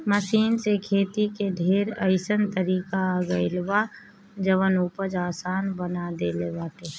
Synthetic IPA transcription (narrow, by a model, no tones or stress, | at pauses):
məʃiːnsekʰeːt̪ikeɖʱeːɾəɪsənt̪əɾiːkaːɡəɪlba | d͡ʒəʋənuːpəd͡ʒaːsaːnbənad̪eleʋaːt̪e